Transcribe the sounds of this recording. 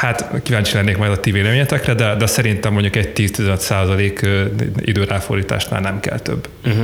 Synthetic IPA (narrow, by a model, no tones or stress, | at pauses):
hat̪kivaːɲt͡ʃilɛnːeːkmɒjd̪ɒt̪iveːlɛmeːɲɛt̪ɛkrɛd̪ɛd̪ɛsɛɾint̪ɛmːoɲɟukɛɟ̚t̪iːst̪izɛnøt̪saːzɒleːkːḭd̪øːɾaːfo̰rd̪iːt̪a̰ːʃna̰ːlnɛmkɛ̰lt̪ø̰b̩ː